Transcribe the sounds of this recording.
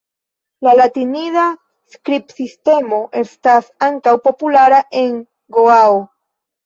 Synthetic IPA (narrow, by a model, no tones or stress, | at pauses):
lalatiniða | skɾipsiste̞mo̞ʔe̞stasaŋkawpo̞pulaɾaʔe̞ŋ | ɡoao